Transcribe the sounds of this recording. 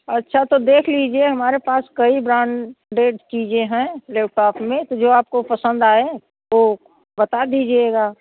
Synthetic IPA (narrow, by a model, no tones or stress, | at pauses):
ɐtːʃʰat̪od̪eːkʰlid͡ʒieɦɐmaːɾepaːskɐibɾãːɳɖeːʈt͡ʃiːd͡ʒẽɦɛ̃lɛːp̚ʈaːpʰmẽt̪od͡ʒoːaːp̚kopɐsə̃nd̪aːe | ʋo | bɐt̪ad̪iːd͡ʒieɡaː